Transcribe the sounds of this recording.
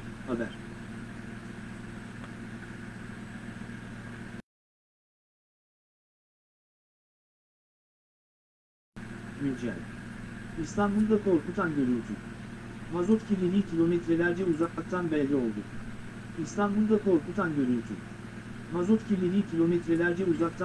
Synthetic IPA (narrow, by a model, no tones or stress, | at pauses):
habæ̰ɾ̥ | mynd͡ʒɛ̰lʲ | ist̪ʰanbulˠd̪akʰo̞ɾkut̪ʰanɟø̞ɾylʲt̪ʰy | mazot̪cʰilʲilʲiːcʰilʲo̞mit̪ɾɛlʲæɾd͡ʒɛuzakˠak̚t̪ʰanbɛlʲːio̞lˠd̪u | ist̪ʰanbulˠd̪akʰo̞ɾkut̪ʰanɟø̞ɾylʲt̪ʰy̰ | mazot̪cʰilʲilʲiːcʲʰilʲo̞mit̪ɾɛlʲæɾd͡ʒɛuzak̚t̪ʰa